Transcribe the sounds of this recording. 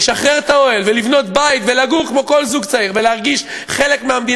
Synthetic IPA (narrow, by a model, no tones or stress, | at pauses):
ʃaχʁeʁet̪ao̞elvelivno̞t̪̚bait̪ve̞laɡukmo̞ko̞lzuɡt͡saiʁveleaʁɡiʃ | χe̞le̞kmeamd̪i